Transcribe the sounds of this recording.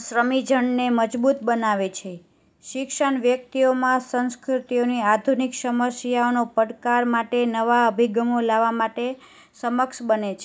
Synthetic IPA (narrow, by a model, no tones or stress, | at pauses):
sɾəmid͡ʒʱəɳneməd͡ʒbut̪bənaʋet͡ʃʰe | ʃɪkʃəɳʋjək̚t̪iomãsə̃nskɾut̪ioniad̪ʱuniksəməsjaonopəɽkaɾmaʈenəʋaəbʱiɡəmolaʋamaʈe | səməkʃbənet͡ʃʰe